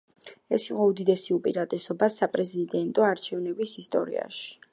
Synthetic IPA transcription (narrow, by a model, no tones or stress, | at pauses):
ɛ̰siqʼɔud̪id̪ɛsiupʼḭɾat̪ʼɛsɔbasapʼɾɛzid̪ɛnt̪ʼɔaɾt͡ʃʰɛvnɛbisist̪ʼɔ̰ɾḭa̰ʃi̥